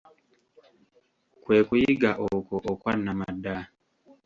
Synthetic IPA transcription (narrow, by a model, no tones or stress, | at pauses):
kwɛkujiɡaʔɔkɔʔɔkwanamada